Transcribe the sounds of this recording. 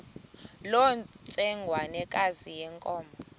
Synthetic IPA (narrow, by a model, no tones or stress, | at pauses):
lɔnt͡sʼɛŋɡʱwanɛkʼazijɛŋkʼɔːmbʱɔ